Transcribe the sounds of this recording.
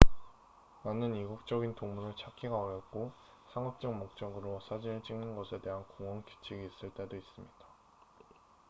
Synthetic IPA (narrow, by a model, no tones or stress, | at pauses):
manɯniɡuk̚t͡ɕ͈ʌɡintoŋmunɯɭt͡ɕʰakʰiɡaʌɾjʌt̚k͈o | sʰaŋʌp̚t͡ɕ͈ʌŋ̚mok̚t͡ɕ͈ʌɡɯɾosʰad͡ʑinɯɭt͡ɕ͈iŋnɯnɡʌsʰe̞de̞ɦankoŋwʌŋki̥t͡ɕʰiɡiːs͈ɯɭt͈e̞dois͈ɯmɲid̥a